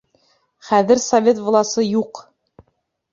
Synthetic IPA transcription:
χæðɘɾsɐvʲet̪vŏlˠɑsɤjuq

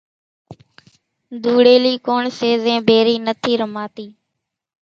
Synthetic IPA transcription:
d̪ʱuːɽeːliːkoːɳseːzẽːbʱeːɾiːnət̪ʰiːɾəmaːt̪iː

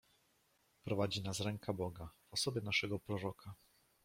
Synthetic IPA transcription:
pɾɔvad͡ʑinasɾɛŋkʰabɔɡavɔsɔbʲjɛnaʂɛɡɔpɾɔɾɔkʰa

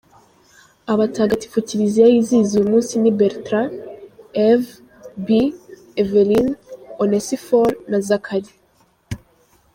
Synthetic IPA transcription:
aβataːɡati̥fuciɾiziajiziːzujumuːnsinibeɾtɾa | ev | bi | evelinonesifoɾnazakʰaɾi

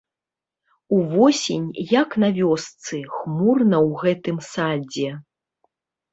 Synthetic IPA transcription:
uvɔsʲenʲjɐknɐvʲɔst̪sɨxmurnɐwɣɛt̪ɨmsad͡zʲɛ

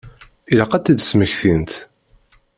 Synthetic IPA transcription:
ilæqæt̪ːid̪sməçθint̪

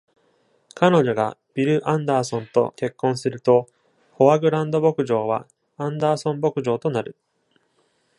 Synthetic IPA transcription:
kano̞ʑo̞ɡa̰b̥ʲiɾɯ̟ʔãnd̪aːsõ̞nt̪o̞̰ke̞kːõ̞ɰ̃sɨɾɯ̟t̪o̞ | ho̞βaɡɯ̟ɾãnd̪o̞bo̞kɯ̟ʑo̞ːβa̰ | ãnd̪aːsõ̞mbo̞kɯ̟ʑo̞ːt̪o̞naɾɯ̟

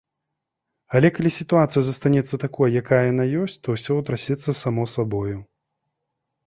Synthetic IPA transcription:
ɐlʲɛkalʲisʲit̪uat̪sɨjɐzɐst̪anʲɛt̪sːɐt̪akɔjjakajɐjanajɔsʲt͡sʲt̪ɔwsʲɔwt̪ɾasʲɛt̪sːɐsamɔsabɔju

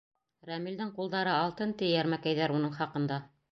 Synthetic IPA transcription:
ɾæmild̪ɘŋqulˠd̪ɑɾɤɑlˠt̪ɤnt̪ijæɾmækæjðæɾunɤɴχɑqɤ̆nd̪ɑ

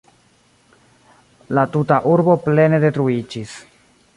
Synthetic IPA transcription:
latutaʔuɾbo̞ple̞ne̞de̞tɾuid͡ʒis

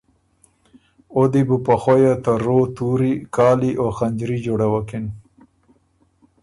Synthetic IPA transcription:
od̪ibupaxojat̪aɾot̪uɾikɑːliʔoxaɲd͡ʒɾid͡ʒoɽawakɪn

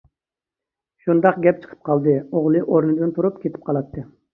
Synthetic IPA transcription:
ʃund̪ɑqɡʲɛp̚t͡ʃʰə̥qʰə̥p̚qʰɑlˠd̪ɨoʁlˠɨʔoɾnɨd̪ɨnt̪ʰuɾupkʲʰet̪ʰɪ̥p̚qʰɑlˠɑt̪ːɨ

